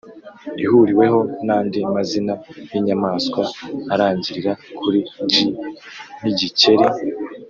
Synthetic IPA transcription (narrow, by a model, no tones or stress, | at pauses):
ihuɾiwe̞ɦo̞naːndimazinajiɲamaːskwaːɾaːɲɟiɾiɾakʰuɾiɟi | niɟice̞ɾe